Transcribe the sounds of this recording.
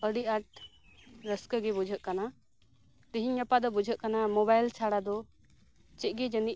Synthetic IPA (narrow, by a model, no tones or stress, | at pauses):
əɽiaʈ̚ | ɾəskəɡɛbud͡ʒʱəʔ̪̚kana | t̪iɦiɲːapad̪ɔbud͡ʒʱəʔ̚kanamɔbajlt͡ʃʰaɽad̪ɔ | t͡ʃɛʔ̪̚ˀɡɛd͡ʒəniʔ